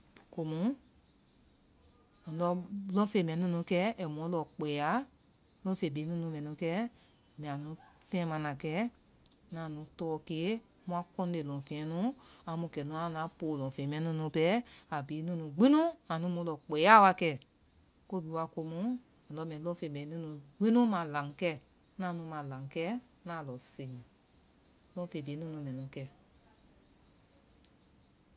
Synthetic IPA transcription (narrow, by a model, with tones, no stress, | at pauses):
ko˧mũ˨˦˨ | lɔ˧˦lɔ̃˦fe˨mɛ̃˨˦nũ˦nũ˧˦kɛ˦ɛ˨mɔ̃˧˦lɔ˨k͡pɛ˨a˦ | lɔ̃˦fe˨biː˨˦nũ˦nũ˧˦mɛ̃˨nũ˧˦kɛ˦ | mɛ̃˨ã˨nũ˨˦ | fɛ̃˦mã˨˧nã˨kɛ˦ | nã˨nũ˨˦tɔː˧˦ke˦ | mũ˧˦a˧kɔ̃˦n˦e˨lɔ̃˨fɛ̃˨ɛ̃˨˦nũ˦ã˧˦mũ˧˦˨kɛ˨nũ˧˦ã˧˦˨nã˨˦po˨lɔ̃˨fe˨mɛ̃˨˦nũ˧˦nũ˧˦pɛ˦a˨bi˨˦nũ˦nũ˧˨ɡ͡bĩ˦nũ˦ã˨nũ˨˦mũ˨˧˦lɔ˨k͡pe˨˦a˦˨˦wa˧kɛ˧˨ | ko˦bi˨˦wa˧˨ko˧mũ˨˦˨ | lɔ˧mɛ̃˨˧lɔ̃˦fe˨mɛ̃˨˦nũ˦nũ˧ɡ͡bĩ˦nũ˦mã˨lã˨˦ŋ˦kɛ˦ | nã˨˦nũ˧˦mã˨lã˨ŋ˦kɛ˦nã˨˦˨lɔ˨se˨ŋĩ˨ | lɔ̃˧˦fe˨biː˨˦nũ˦nũ˧mɛ̃˨nũ˨˦kɛ˧˨